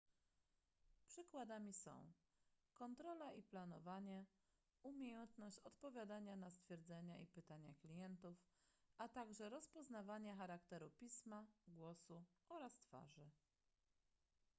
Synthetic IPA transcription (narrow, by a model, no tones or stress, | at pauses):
pʂɘkwad̪amʲisɔ̰̃w̃ | kɔnt̪ɾɔlaʔiplanɔvaɲɛ | umʲjejɛnt̪nɔɕt͡ɕɔt̪pɔvʲjad̪aɲanast̪fʲjɛɾd̪zɛɲaʔipɘt̪aɲaklʲijɛnt̪ufʔat̪aɡʐɛɾɔspɔznavaɲaxaɾakt̪ɛɾupʲismaɡwɔsuɔɾast̪fa̰ʐɘ